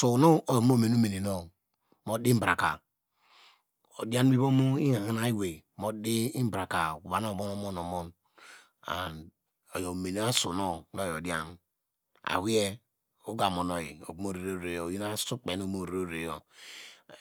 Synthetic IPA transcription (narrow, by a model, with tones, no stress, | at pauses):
su˨no˦o˨˦mo˦me˨no˦me˨ne˨no˦ | mo˦di˦m˦bɾa˨ka˨ | o̰˨di˦a˦n˦bi˦bo˦mu˦i˦ŋa˨ŋi˦na˦i˦we˨mo˦di˦i˦m̩˦bɾa˨ka˨u˨βa˨˦no˦˨bo˦no˨mo˦no˨mo˦n | a̰˨n | o˨jo˨me˨ne˨a˦su˨no˦n˦o˦jo˨dja˦n | a̰˨wi˦e˦ | o˦ɡa˨mo˨no˨ḭ˨o̰˨bm˦o˦ɾe˨ɾo˦˨ɾe˨jo˦˨ji˦na˦su˦k͡pe˨n˦o˦mo˦˨ɾe˨˦o˦ɾe˨jo˨